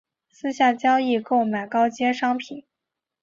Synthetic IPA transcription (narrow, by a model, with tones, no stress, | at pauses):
sɹ̩˥ɕja˥˩t͡ɕjɑ˥ʊi˥˧ko˥˩ʊma˨˩ɪkɑ˥ʊt͡ɕjɛ˥ʂɑ˥ŋpʰi˨˩˦n